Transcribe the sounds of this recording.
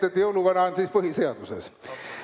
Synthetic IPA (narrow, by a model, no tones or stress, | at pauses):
et̪jouluʋɑnɑːnsiːspohiseɑt̪usḛs